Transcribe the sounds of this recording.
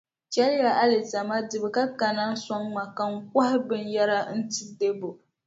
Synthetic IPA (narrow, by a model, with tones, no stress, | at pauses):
t͡ʃɛ˦lɪ˦ja˨ʔa˦lɪ˨ta˨ma˦dɨ˨bɨ˨ka˦ka˨na˦n˦sɔ˦ŋma˨ka˨ŋ̩˦k̚a˦hɪ˦bɨ˦n˦ja˦ɾa˦n̩˦ti˦de˦bo˨